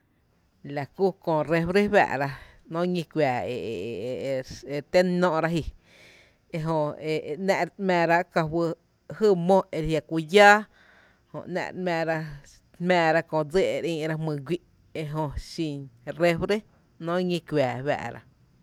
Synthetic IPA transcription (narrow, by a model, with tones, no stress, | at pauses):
la˨ku˦kõ˧˨ɾe˧fɾe˦wæ̰ː˧ʔɾa˧ | nõː˦ŋĩ˧kʷwaː˨e˨ | e˧t̪e˦nːɔ̃ː˦ʔɾa˧ɦi˧˨ | e˧ɦõ˧e˧˨nɛ̃˧˨ʔmɛ̃ː˧ɾa˦ʔka˧wə˧ | hɨː˦mõ˦ʔe˧ɾhja˧kʷu˧jaː˦ | hõ̰˧˨ʔnɛ̰̃˧ʔmɛ̃ː˧˨ɾḁ˧ | mɛ̃ː˧ɾa˧kõ˧˨d͡ze˦˨ʔe˧ɾĩː˧ʔɾa˧mɨ̃˧˨ɡʷi˦ʔ | e˧ɦõ˧ʃĩ˧nre˧fɾe˦ | nɔ̃ː˦ŋĩ˧kʷjaː˨βa̰ː˧˨ʔɾa̰˧